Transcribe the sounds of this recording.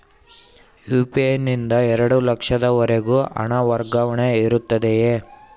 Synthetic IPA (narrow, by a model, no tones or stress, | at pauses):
juːpienːind̪ɐɛɾɐɽulɐkʂɐd̪ɐʋɐɾe̞ɡuːʔɐ̰ɳɐʋɐɾɡɐʋɐɳeiɾut̪ːɐd̪ejeː